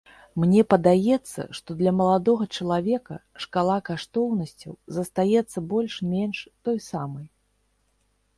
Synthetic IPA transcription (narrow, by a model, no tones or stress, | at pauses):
mnʲɛpɐd̪ajɛt̪sːɐ̰ʂt̪ɔd̪lʲɐmɐlˠad̪ɔɣɐt͡ʂɐlˠavʲɛkɐ̰ʂkalˠakaʂt̪ɔwnɐsʲt͡sʲɐwzɐst̪ajɛt̪sːɐbɔlʲʂmʲɛnʂt̪ɔjsamɐj